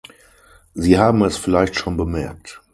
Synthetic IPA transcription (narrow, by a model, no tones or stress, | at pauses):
ziːhaːbm̩ɛsfɪlaɪçtʃoːnbəmɛɐk̚t